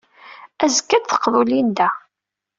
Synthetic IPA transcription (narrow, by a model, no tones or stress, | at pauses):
æzəkːæd̪θə̥qːvulind̪æ